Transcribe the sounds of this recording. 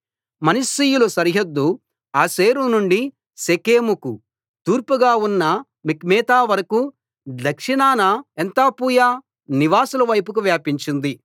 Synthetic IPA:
mɐnɐsiːjulusɐɾiɦɐd̪ːu | aːseːɾunuɳɖi | sekeːmuku | t̪uːɾpuɡaːunːɐ | mikmɛːt̪aːʋɐɾɐku | d̪ɐkʂinaːnɐent̪aːpuːjaː | niʋaːsulɐʋɐjpukuʋjaːpiɲt͡ʃind̪i

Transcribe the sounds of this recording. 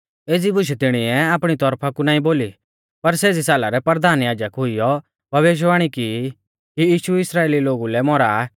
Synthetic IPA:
eːd͡zibʊʃ̬ɛt̪ɪɽ̃iɛaːpɽ̃it̪ɔɾpʰakunãːĩboːli | pɐɾseːd͡zisaːlaɾɛpɐɾd̪ʱaːnjaːd͡ʒəkɦʊijɔ | bʱɐʋeːʃ̬ʋaːɽ̃iki | kijiːʃuɪsɾaːeːliloːɡulɛmɔɾaː

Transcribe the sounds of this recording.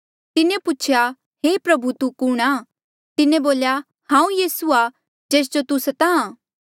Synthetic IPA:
t̪ɪnẽpʊt͡ʃʰja | ɦeːpɾɐbʱut̪ukʊːɽ̃aː | t̪ɪnẽboːlja | hãːũjiːsua | d͡ʒeːs̬d͡ʒot̪ʊsɐt̪aãː

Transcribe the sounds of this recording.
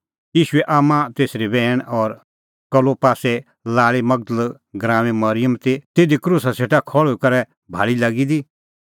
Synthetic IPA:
jiːʃʊɛʔaːmãt̪eːsɾibɛːɽ̃ɔːɾ | kɐlopaːsɛ | laːɭemɐɡ̚d̪əl | ɡɾãːʋẽmɐɾɪjəmt̪it̪eːd̪ikɾuːsaseːʈakʰɔɭʊkɐɾɛ | bʱa̰ːɭilaːɡid̪iː

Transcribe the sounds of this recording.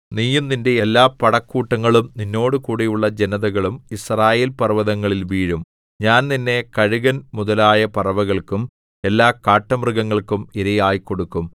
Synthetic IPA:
niːjunninde̞elːaːpɐɽɐkːuːʈːɐŋːɐɭumninːo̞ːɽɨkuːɽijuɭːɐd͡ʑe̞nɐðɐɣɐɭumisraːjeːlpɐrʋɐðɐŋːɐɭilʋiːɻum | ɲaːnninːe̞kɐɻuɣɐnmuðɐlaːjɐpɐrɐʋɐɣɐɭkum | e̞lːaːkaːʈːɐmrɨɣɐŋːɐɭkumiɾɐjaːjikːo̞ɽukːum

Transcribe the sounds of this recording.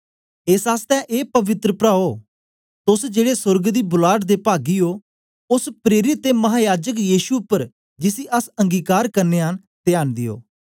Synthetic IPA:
ɪsaːst̪ɛ̃ːʔeːpəʋɪt̪ɾəpɾaːoː | t̪ʊsd͡ʒeːɽeːsʊɾɡd̪iːbʊlaːʈd̪eːpaːɡioː | ʊspɾeːɾɪt̪ːeːmɐɦaːjaːd͡ʒək̬jiːʃuʊpːəɾ | d͡ʒɪsiːʔəsə̃ŋɡiːkaːɾkɐɾneːən | t̪ɪjaːnd̪ɪjo̰ː

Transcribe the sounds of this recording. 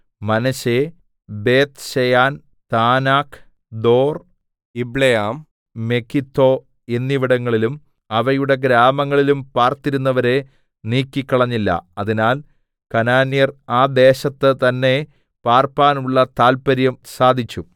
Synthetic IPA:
mɐnɐɕe | be̞ːt̪ɕejaːn | t̪aːnaːkʰ | d̪o̞ːr | ibɭejaːm | me̞kʰːit̪ʰːo̞ː | enːiʋiɽɐŋːɐɭilum | ɐʋɐjuɽe̞ɡɾaːmɐŋːɐɭilumpaːrt̪iɾunːɐʋɐɾe̞ | niːkʲːikːɐɭɐɲːilːɐ̰ɐðinaːl | kɐnaːnːijɐraːd̪e̞ːɕɐt̪ːɨt̪ɐnːe̞ | paːrpaːnuɭːɐt̪aːlpɐɾjɐmsaːd̪ʱit͡ɕːu

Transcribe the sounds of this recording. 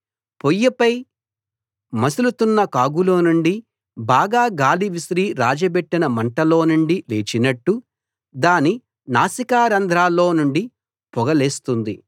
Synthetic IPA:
pojːɐpɐj | mɐsilut̪unːɐkaːɡulo̞ːnuɳɖi | baːɡaːɡaːliʋisɾiːɾaːd͡ʒɐpeʈːinɐmɐɳʈɐlo̞ːnuɳɖile̞ːt͡ʃinɐʈːu | d̪aːni | naːsikaːɾɐnd̪ɾaːlo̞ːnuɳɖi | pɔɡɐleːst̪und̪i

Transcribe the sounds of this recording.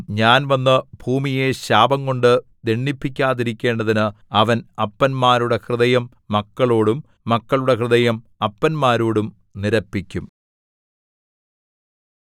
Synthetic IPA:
ɲaːnʋɐnːɐbʱuːmije̞ɕaːbɐŋko̞ɳɖɨd̪eɳːipːikʲːaːðiɾikʲːe̞ːɳɖɐðinɨɐʋɐnɐpːɐnmaːɾuɽe̞krɨðɐjɐmːɐkːɐɭo̞ːɽumː | ɐkːɐɭuɽekrɨðɐjɐm | ɐpːɐnmaːɾoːɽum | niɾɐpːikʲːum

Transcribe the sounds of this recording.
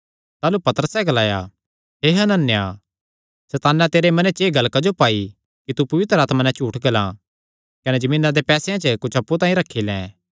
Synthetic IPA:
t̪aːlupɐt̪əɾəsɛɡɐlaːja | ɦeːɦɐnənːja | sɛt̪aːnat̪eːɾemɐnet͡ʃeːɡɐlkad͡ʒopaːi | kit̪upɐʋɪt̪ɾəaːt̪manɛ̃t͡ʃuːʈʰɡɐlã̰ | kɐned͡ʒɐmiːnad̪epɛːseãt͡ʃəkʊt͡ʃʰɐpːut̪ãːĩɾɐkʰːilɛ̰̃ː

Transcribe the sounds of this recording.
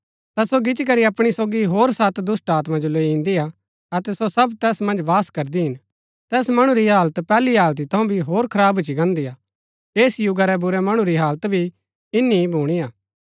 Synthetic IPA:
t̪asoɡɪt͡ʃik̬ɐɾiɐpɽ̃isoːɡiɦoːɾsɐt̪d̪ʊsʈaːt̪mãd͡ʒoloiɪ̃nd̪ia | ɐt̪ɛsosɐbt̪ɛːsmɐ̃nd͡ʒʋaːskɐɾd̪iɦɪn | t̪ɛːsmɐɽ̃ũɾiɦaːlt̪pɛːliɦaːlt̪it̪ʰɐũbʱiɦoːɾkʰɐɾaːbʊt͡ʃiɡɐ̃nd̪ijaː | eːsjʊɡaɾɛbʊɾɛmɐɽ̃uɾiɦaːlət̪bʱi | ɪnːibʱuːɽ̃ijaː

